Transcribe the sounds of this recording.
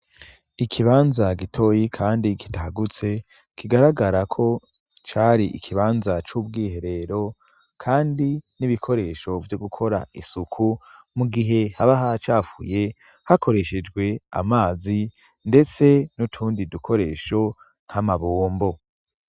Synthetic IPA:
ikʰiβaːnzaɡitʰo̞ːjikʰaːndiki̥tahaɡut͡se̞ | kʰiɡaɾaɡaɾakʰo̞ | t͡ʃaːɾiʔikʰiβaːnzat͡ʃuːbɡiːhe̞ɾe̞ɾo̞ | kʰaːndiniβikʰo̞ɾe̞ːʃo̞vjoɡukʰo̞ɾa̰isukʰu | muɡiɦe̞haβaɦat͡ʃaːfṵje̞ | hako̞ɾe̞ʃe̞d͡ʒɡwe̞a̰maːzi | nde̞t͡se̞nutʰuːndidukʰo̞ɾe̞ːʃo̞ | n̥hamaβoːmbo̞

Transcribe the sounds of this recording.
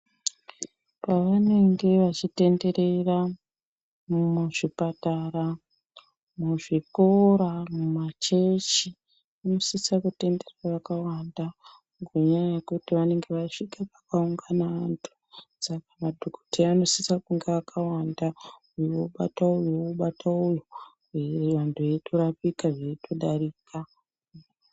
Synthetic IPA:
paʋane̞ŋɡe̞ʋat͡ʃite̞nde̞re̞ra | mmuʐipatara | muʐikoɾamumat͡ʃe̞t͡ʃi | ano̞sisakute̞nde̞raʋakawanda | ŋɡeɲajajekutiʋane̞ŋɡe̞ʋaʂikepakauŋɡanaantʰu̥ | sakamadʱoko̥tʰeano̞sisakuŋɡeakʰawanda | ujooɓataujooɓatʰaujo | eʋantʰueitʰoɾapikaʐeitʰoɗaɾiːka

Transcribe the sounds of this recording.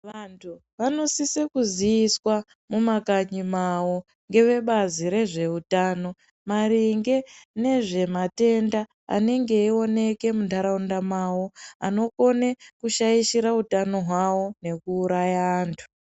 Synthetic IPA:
ʋantʰu | ʋano̞sisekuzijiswa | mumakaɲimawo̞ | ŋɡe̞ʋe̞ɓaziɾe̞ʐe̞utaːno̞ | maɾiŋɡe̞ne̞ʐe̞mate̞nda̰ː | ne̞ŋɡe̞io̞ne̞ke̞mundʰʱaɾaundamawoano̞ko̞ne̞kuʃajiʃiɾautano̞ɦwawo̞ne̞kuːɾajaːntʰu̥

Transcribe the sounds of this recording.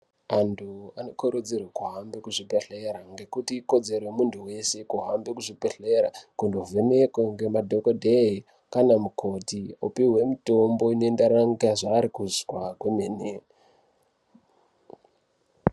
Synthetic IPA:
antʰuano̞koɾud͡zirwakuɦambekuʐipeɬeɾaŋɡe̞kutiːko̞d͡ze̞rwemuntʰuwe̞se̞kuɦambekuʐipeɬeɾa̰kundovʱenekweŋɡe̞madʱokodʱei | kanamukʰo̞tiopiwe̞muto̞mbo̞ine̞ndaɾaŋɡaʐaːɾikuzwakwemene

